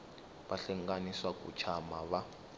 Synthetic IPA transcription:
βaɬɛŋɡaniswakṵt͡ʃʰamaβa

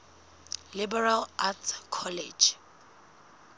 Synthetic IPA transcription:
libɛralatkʰɔled͡ʒ

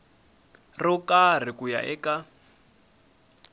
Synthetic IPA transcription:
rɔkʼar̤ikuja̰ʔɛka

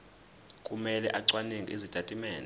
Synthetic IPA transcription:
kʼumɛlɛ̰ʔaǀwaneŋɡʱiezitatʼimɛːn

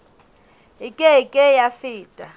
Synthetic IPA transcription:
ikʼɛikʼɛjafiːtʼa

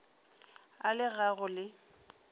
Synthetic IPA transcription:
a̰lɪɣaɣʊlɪ

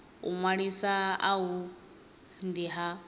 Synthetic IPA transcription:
ṵŋwaɺisaaɦu | ndiɦa

